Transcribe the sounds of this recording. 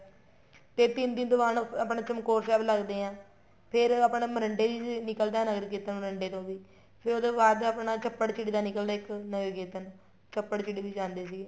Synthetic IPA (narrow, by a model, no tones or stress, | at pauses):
p̪et̪ɪnd̪ɪnd̪ʊʋaːnəpɳaːt͡ʃəmkoːɾsɛːbləɡd̪eːãː | pʰɪɾəpɳeːməɾəɳɖeːʋiːd͡ʒnɪkəld̪aːnəɡəɾkeːt̪ənməɾəɳɖeːt̪õːʋiː | pʰɪɾoːd̪oːbaːd̪əpɳaːt͡ʃəpːəɽt͡ʃɪɽiːd̪aːnɪkəld̪aːɪknəʋeːkeːt̪ən | t͡ʃəpːəɽt͡ʃɪɽiːʋiːd͡ʒãːnd̪eːsiː